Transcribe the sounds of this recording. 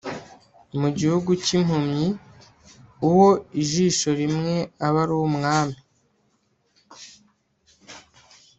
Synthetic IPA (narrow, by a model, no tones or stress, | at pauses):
muɟihuɡucim̥humɲi | uwo̞iʒiːʃo̞ɾimŋe̞aβaɾuwumŋaːmi